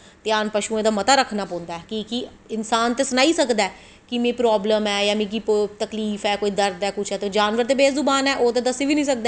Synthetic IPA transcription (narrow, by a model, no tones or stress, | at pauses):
t̪eaːnpəʃuːẽːd̪aːmət̪aːɾəkʰːnaːpõːnd̪aːɛːkiki | ɪnsaːnt̪eːsənaːiːsəkd̪aɛː | kimẽːpɾɔːbləmɛːjaːmĩːk̬it̪əkliːfɛːkoːiːd̪əɾd̪ɛːkʊt͡ʃʰɛːt̪ed͡ʒaːnʋəɾt̪eːbeːszʊbaːnɛːʔoːt̪ẽːd̪əsiːʋiːnĩːsək̚d̪eː